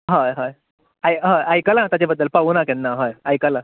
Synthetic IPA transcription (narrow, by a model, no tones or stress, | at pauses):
ɦaɦaj | ajɦãajkəlãt̪jat͡ɕebəd̪ːəlpauːnakɛ̃nːaɦajajkəlã